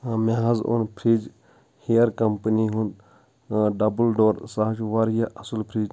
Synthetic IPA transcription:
maɦɐzṵnpʰɾid͡ʒ | hijəɾkɐmpəniɦũnd̪ | ɖɐbəlɖoːɾsaɦt͡ʃʋaɾjaʔɐsulpʰɾiːd͡ʒ

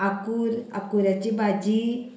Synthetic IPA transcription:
akuɾa̰kuɾat͡ɕibʱad͡ʑi

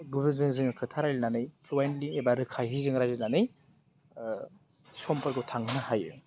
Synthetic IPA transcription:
ɡubizɯŋzɯŋɯkʰɯtʰaɾajlinanɯjpʰlɔjenliebaɾɯkʰajɦizɯŋɾajzilnanɯj | sɔmpaɾkɯwtʰaŋnahajɯ̰

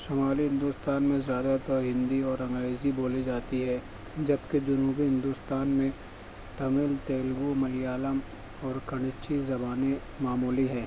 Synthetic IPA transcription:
soːmaːliɦɪ̃nd̪ust̪aːnmẽzjaːd̪at̪əɾɦɪ̃nd̪iɔːɾɐ̃ŋɡɾeːziboːlid͡ʒaːt̪iɦɛː | d͡ʒɐbked͡ʒʊnuːbiɦɪ̃nd̪ust̪aːnmẽ | t̪ɐmɪlt̪eːlɡumɐlijaːləm | ɔːɾkɐɽ̃ɪt͡ʃizɐbaːne | maːmuːliɦɛː

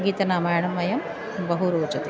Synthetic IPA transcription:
ɡiːt̪ɐnaːmaːjɳɐmːɐjɐm | bɐɦuɾoːt͡ʃɐt̪i

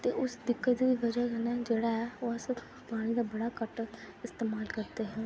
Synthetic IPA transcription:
t̪eːʔʊsd̪ɪkːət̪ːd̪iːʋəd͡ʒəkənɛd͡ʒeːɽaɦɛoasə | paːɽ̃ĩːd̪aːbəɽaːkəʈə | ɪst̪eːmaːlkəɾt̪eɦɛ̃ː

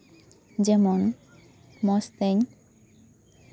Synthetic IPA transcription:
d͡ʑɛmon | mɔst̪eɲ

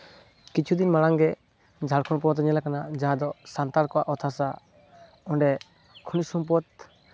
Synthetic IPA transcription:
kit͡ʃʰud̪inmaɽaŋɡɛ | d͡ʒʱalkʰɔnp̬ɔt̪ɲɛlakanad͡ʒaɦad̪ɔsant̪aɾkɔwaʔɔt̪ʰasa | ɔɳɖɛ | kʰunisumpɔt̪

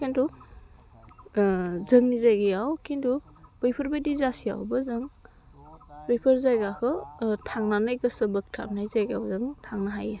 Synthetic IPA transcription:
kindu | zɯŋnizajɡijawkʰindu | b̥ɯjpʰɯɾbajdizasija̰wbɯzɯŋ | b̥ɯjpʰɯɾzajɡakɯtʰaŋnanajɡɯsɯbɯk̚tʰa̰mnajzajɡawzɯŋtʰaŋnaɦaje

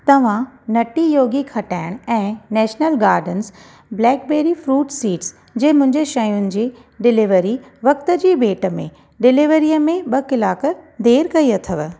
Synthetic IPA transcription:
t̪ɐʋ̤ãnɐʈijoːɡikʰɐʈaːɪɽ̃ɛ̃ːnɛːʃnəlɡaːɾɖəns | blɛːk̚beːɾifɾuːʈsiːʈs | d͡ʑeːmʊ̃ɦɪ̃ɲd͡ʑeʃɐjʊnɪ̆d͡ʑiː | ɖɪlɪʋəɾi | ʋɐk̚t̪ə̆d͡ʑiːbeːʈə̆mḛ̃ | ɖɪlɪʋəɾijəmẽɓɐkɪlaːkd̪ʱeːɾkɐiɐt̪ʰəʋ

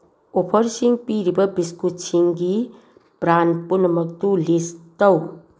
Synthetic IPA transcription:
opʰʌɾsiŋɡpiɾibʌbiskut͡sʰiŋɡi | pɾanpunʌmʌk̚t̪ulist̪ʌw

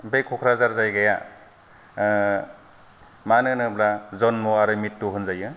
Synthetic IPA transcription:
bejkʰɔkʰɾazaɾzajɡaja | manɯnɯblazɔnmɔaɾɯmitːuɦɯnzajɯ

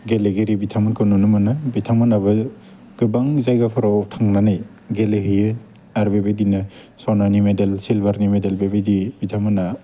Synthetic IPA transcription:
ɡeleɡeɾibitʰamɯnkʰɯwnunɯmɯnɯbitʰamɯnaβɯ | ɡ̥ɯbaŋzajɡapʰɯɾawtʰaŋnanaj | ɡeleɦɯjɯ | aɾbebedinɯ | sɔnanimedelsilbaɾnimedelbebedibitʰamɯna

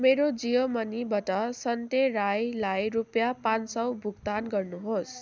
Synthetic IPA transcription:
meɾod͡zijomʌnibʌʈʌsʌnt̪erajlajɾupjapansʌwbʱuɡt̪anɡʌrnuɦos

